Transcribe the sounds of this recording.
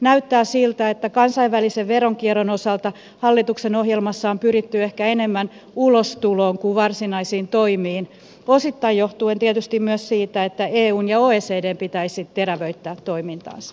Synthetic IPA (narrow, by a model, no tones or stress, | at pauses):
næyt̪ːæːsilt̪æet̪ːækɑnsɑiʋʋæliseʋʋeroŋkieronosɑlt̪ɑ | hɑlːit̪uksenohjelmɑsːɑompyrit̪ːyehkæenemːæn | ulost̪uloːŋkuʋʋɑrsinɑisiːnt̪oimiːn | osit̪ːɑijjoht̪uent̪iet̪yst̪immyøssiːt̪æet̪ːæeːuːnjɑoːeːseːdeːmpit̪æisit̪t̪eræʋøit̪ːæːt̪ːoimint̪ɑ̰ːnsɑ̥